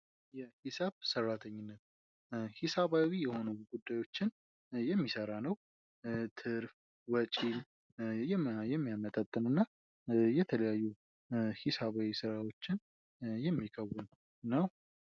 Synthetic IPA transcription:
jɛhisaβsərːat̪ʰəɲːɪnːət̪̚ | hisaβawijɛho̞nuɡ̥ud̪ːajwo̞t͡ʃːɪn | jɛmːisəɾanəw | t̪ʰɨɾf | wət͡ʃʼin | jɛjɛmːijamət̪ʼat̪ʼːɨnɨnːa | jɛt̪ʰələjajːu | hisaβawisɨɾawo̞t͡ʃːɪn | jɛmːikʰʼəwːun | nəw

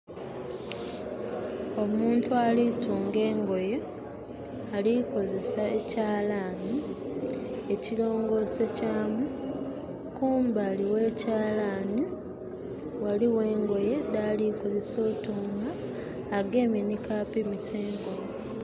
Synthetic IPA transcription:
o̞muːntualituːŋɡe̞ːŋɡo̞je | aliko̞ze̞sae̞caːlani | ecilo̞ːŋɡo̞secaːmu | kuːmbaliwe̞caːlani | waliwe̞ːŋɡo̞je̞ndaːliko̞ze̞so̞ːtuːŋɡaː | ɡe̞ːminikaːpimiseːŋɡo

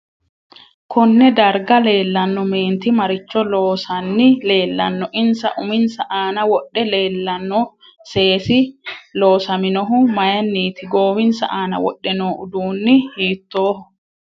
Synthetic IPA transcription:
kʰɔnːɛd̪ɐɾɡɐle̞ːlːɐnːɔme̞ːnt̪ɪmɐɾɪt͡ʃːɔloːsɐnːɪle̞ːlːɐnːɔʔɪnsɐʔʊmɪnsɐʔaːnɐwɔɗːɛleːlːɐnːɔ | se̞ːsɪlo̞ːsɐmɪnɔɦʊmɐjɐnːiːt̪ɪɡo̞ːwɪnsɐ̰ʔaːnɐ̰wɔ̰ɗːɛnoːʔʊd̪uːnːɪhiːt̪ːo̞ːhʊ

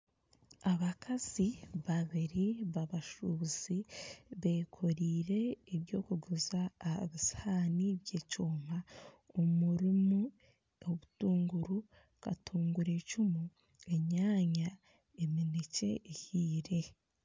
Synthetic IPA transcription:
aβakʰaziβaβiɾiβaβaʃuziβeːkʰoɾiːɾe̞ːβjo̞̰ːkuɡuzaːhβishaːniβje̞ːcoːm̥a | omuɾimu | oβutuːŋɡuɾu | ka̰tuːŋɡuɾe̞cumu | e̞ɲaːɲa | eminice̞̰ːhiːɾe̞

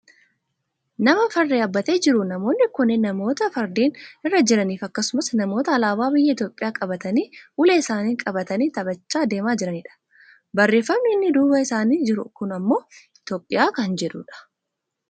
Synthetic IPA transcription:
nɐmɐfɐɾd̪eːɐbːɐt̪eːd͡ʒɪɾʊnɐmo̞ːnːɪkʊnːɪnɐmo̞ːt̪ɐfɐɾd̪eːnɪrːɐd͡ʒɪɾɐniːfɐkːɐsʊmɐsnɐmo̞ːt̪ɐːlaːbaːbɪjːɐɪt̪jo̞ːpʼɪjaːkʼɐbɐt̪ɐniːʔʊleːɪsaːniːkʼɐbɐt̪ɐniːt̪ɐbɐt͡ʃːaːd̪e̞ːmaːd͡ʒɪɾɐniːᶑɐ̥ | bɐrːeːfːɐmniɪnːɪd̪uːbɐɪsaːniːd͡ʒɪɾʊ̰kʊnɐmːo̞ː | ɪt̪o̞ːpʼːɪjaːkɐnd͡ʒɛᶑuːᶑɐ̥

